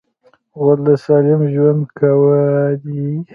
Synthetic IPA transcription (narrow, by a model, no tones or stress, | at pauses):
walasɑlɪmʒwand̪kʰawədi